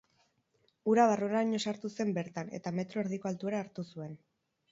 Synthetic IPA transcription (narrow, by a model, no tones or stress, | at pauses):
uɾaβaroeɾaɲo̞saɾt̪use̞mbe̞ɾt̪ane̞̰t̪ame̞t̪ɾo̞eɾð̞iko̞alt̪ue̞ɾaːɾt̪usue̞n